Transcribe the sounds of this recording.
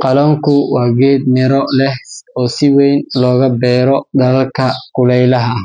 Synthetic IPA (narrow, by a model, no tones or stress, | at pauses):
qɑlɔːŋkʰʊwɑːɡeːd̪̚nɪɾɔlɛhɔːsɪwɛjnlɔːɣɐbɛːɾɔd̪ɐlɐlkʰɐkʰʊlɛjlɐɦɐ